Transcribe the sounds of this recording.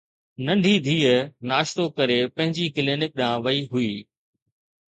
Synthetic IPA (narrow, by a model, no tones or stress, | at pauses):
nɐ̃ɳɖʱid̪ʱiːənaːʃt̪okɐɾepɐ̃ɦɪ̃ɲd͡ʑikɪlɪnɪk̚ɗãːʋɐiɦʊiː